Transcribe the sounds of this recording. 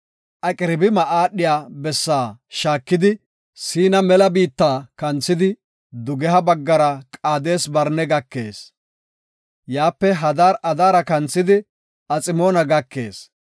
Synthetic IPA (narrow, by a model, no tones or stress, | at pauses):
ʔɐkʼɪɾɪbɪmɐʔaːɗːɪjaːbɛsːaːʃaːkːɪd̪ɪ | siːnɐmɛlɐbiːt̪ːaːkɐnt͡sːɪd̪ɪ | d̪ʊɡɛɦɐbɐɡːɐɾɐkʼaːd̪e̞ːsbɐɾnɛɡɐkːe̞̰ːs | jaːpːɛɦɐd̪aːɾɐd̪aːɾɐkɐnt͡sːɪd̪ɪ | ɐt͡sʼɪmo̞ːnɐɡɐkːe̞̰ːs